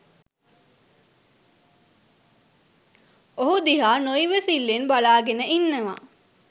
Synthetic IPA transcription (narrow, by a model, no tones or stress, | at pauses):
oɦud̪iɦaːnojʋesilːenbalaːɡenəʔinːəʋa̰